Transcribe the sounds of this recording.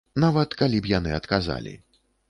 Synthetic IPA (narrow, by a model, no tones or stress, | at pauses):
navɐt̪kalʲipjanɨɐt̪kaza̰lʲḭ